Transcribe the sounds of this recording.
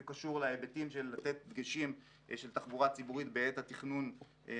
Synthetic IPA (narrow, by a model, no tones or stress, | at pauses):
kaʃuʁlaebet̪imʃe̞lːat̪et̪̚dɡeʃim | ʃelt̪aχbuʁat͡sibuʁit̪beet̪hat̪iχnun